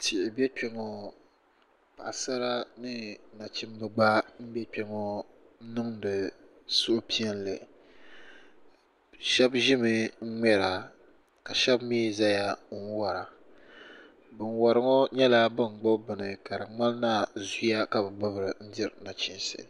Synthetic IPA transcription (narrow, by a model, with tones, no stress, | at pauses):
tʰɪ˨ʔɪ˨bɛ˦k͡pɛ˦ŋɔ˨ | pa˨sa˦ɾa˦nɨ˦na˨t͡ʃi˦m˦bɨ˨ɡ͡ba˦m̩˦bɛ˦k͡pɛ˦ŋɔ˦ | nɨ˦ŋdɨ˨ | sʊ˦ʔpi˦ɛ˦n˦lɨ˨ | ʃɛ˦bʒɪ˦mɨ˦ŋ̩˦ŋ͡mɛ˦ɾa˨ | ka˨ʃɛ˦bmiː˦˨za˦ja˦˨n˦wa˨ɾa˨ | bɨ˨nwa˨ɾɨ˨˦ŋɔ˦ɲɛ˦la˦bɨ˦˨ŋ͡mɡ͡bɔ˦bɨ˨nɨ˨ka˨ɾɨ˨ŋ͡ma˦lna˦˨zu˦ja˦ka˨bɨ˨ɡ͡bʊ˦bɨ˨ɾɨ˨n̩˦dɪ˦ɾna˨t͡ʃi˦nsɨ̰˨